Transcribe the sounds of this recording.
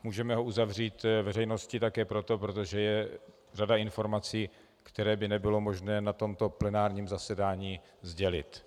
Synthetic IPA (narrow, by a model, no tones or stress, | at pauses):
muːʒɛmɛɦoʔuzavr̝iːt̪vɛrɛjno̞scɪt̪akɛːpɾo̞t̪o̞pɾo̞t̪o̞ʒɛjɛ | radaɪnfo̞ɾmat͡siː | kt̪ɛɾɛːbɪnɛbɪlo̞mo̞ʒnɛːnat̪o̞mt̪o̞plɛnaːɾɲiːmzasɛdaːɲiː | zɟɛlɪ̰t̪